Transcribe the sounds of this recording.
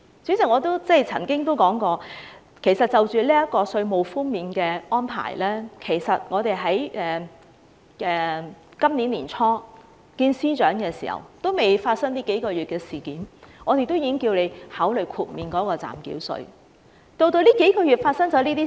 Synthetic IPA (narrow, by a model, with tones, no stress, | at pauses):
sy˨˥si˨˩ŋɔː˨˧t̪o˥wt͡sɛ˥˩jt͡sʰɐ̰˨˩ŋkɪ˥ŋt̪o˥wkɔː˨˥ŋkɔː˧ | kʰe˨˩jsɐ˨t̚t͡sɐ˨wt͡ʃyː˨liː˥jɐ˥t̚kɔː˧sɵ˧ɥmo˨˩wfuː˥ŋmiː˨nkɛː˧ɔː˥npʰa̰ː˨˩jlɛː˥kʰe˨˩jsɐ˨t̚ŋɔː˨˧t̪e˨jɦɐ˨˥jʔɛː˨˩ | ɛː˨kɐ˥mniː˨˥nliː˨˩nt͡sʰɔː˥ | kiː˧nsiː˥t͡ʃœː˨˥ŋkɛː˧sḭː˨˩hɐ̰˨˩wt̪o˥wme˨jfaː˧t̚sɐ˥ŋt̪iː˥ke˨˥jkɔː˧ɥyː˨t̚kɛː˧siː˨˩kiː˨˥nŋɔː˨˧t̪e˨jt̪o˥wjiː˧kɪ˥ŋkiː˧wle˨˧jhaː˨˥wlɵ˨˩jkʰuː˨t̚miː˨nkɔː˨˥kɔː˧t͡sa̰ː˨˩mkḭ˨˥wsɵ̰˧ɥ | t̪o˧wt̪o˧wliː˥ke˨˥jkɔː˧ɥyː˨t̚faː˧t̚sɐ˥ŋt͡sɔː˨˥liː˥t̪iː˥